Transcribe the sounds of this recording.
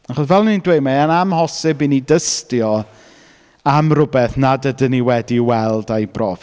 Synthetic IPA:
aχɔsvɛlˠnindwejmaanamhɔsɪbinidəstjɔ | amrʊbɛθnadədɪniwɛdiwɛlˠdajbrɔv

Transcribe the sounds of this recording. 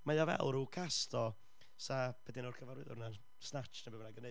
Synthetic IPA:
majavɛ̰lˠɾukʰastʰɔ | sab̥ɛdɪnorkʰəvaɾwɪ̰ðʊ̰rna | snat͡ʃnabɛbənaɡəne

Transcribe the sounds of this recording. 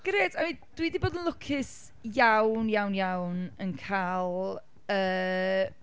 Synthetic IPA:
ɡ̥əɾeːdamid̥widiboːdənlˠʊkʰɪs | jawnjawnjawnənkʰaːlˠ | əː

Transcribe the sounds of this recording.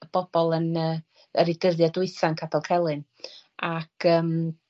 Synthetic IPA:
əb̥ɔb̥ɔlˠənəː | əɾɪdəðjadʊɨθankʰapʰɛlˠkʰɛlˠɨn | akʰəːm

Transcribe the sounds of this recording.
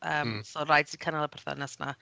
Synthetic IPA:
ʔəːmsoːrajdsikʰənalˠəpʰɛrθa̰nɛsna̰

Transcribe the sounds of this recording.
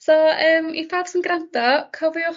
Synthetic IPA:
sɔəːmifaːdsinɡrantɔkʰɔvjɔ

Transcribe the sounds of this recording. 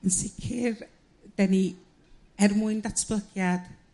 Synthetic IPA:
ənsɪkʰɪr | d̥ɛni | ɛrmʊɨndatʰb̥lˠəɡjad̥

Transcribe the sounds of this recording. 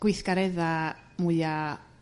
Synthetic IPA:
kwiθkaɾeða | muja

